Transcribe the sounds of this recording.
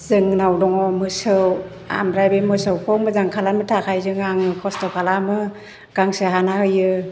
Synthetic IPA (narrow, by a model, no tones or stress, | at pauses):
zɯŋnawdɔŋɔmɯsɯw | a̰mɾajbemɯsɯwpʰɔmɯzaŋkʰalamɯtʰakʰajzɯŋaŋɯkʰɔstɔkʰalamɯ | ɡ̥aŋsɯɦanahɯjɯ